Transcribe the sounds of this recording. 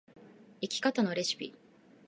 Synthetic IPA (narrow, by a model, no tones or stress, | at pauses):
ikʲi̥kat̪ano̞ɾe̞ɕi̥pʲḭ